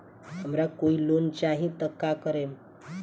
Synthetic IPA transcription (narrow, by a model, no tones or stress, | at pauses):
ɦəmɾakoilont͡ɕaɦĩt̪əkːakəɾem